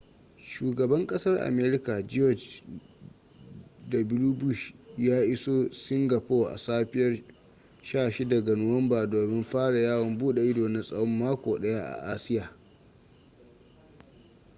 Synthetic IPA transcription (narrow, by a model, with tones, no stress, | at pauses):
ʃuː˨ɡɐ˨bɐ˦ŋkʼɐ˦sɐ˦rʔa̰˨meː˦ɾɪ˦ka˨d͡ʒɔ˦˨d͡ʒ | da˨bɪ˦ɾu˦bu˦˨ʃjaː˦ʔɪ˦soː˦sɪ˦ŋɡa˨poː˦˨ʔa̰˨saː˦ɸɪ˦jɐ˦r | ʃaː˦˨ʃi˦dɐ˨ɡɐ˨nʊ˦wɐ˦mbaː˨doː˨mɪ˦mɸaː˦ɽa˨jaː˦wɐ˨mbuː˦ɗe˨ʔɪ˦doː˨nɪ˦nsʼɐ˨wɔ˦mːaː˦kʷoː˨ɗɐ˦ja˦ʔa̰˨ʔaː˦sɪ˦jaː˨